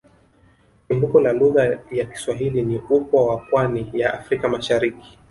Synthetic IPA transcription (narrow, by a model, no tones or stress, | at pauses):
pimbukɔlaluɣajaki̥swaɦiliniukwawapwanijaʔafɾikamaʃaɾiki̥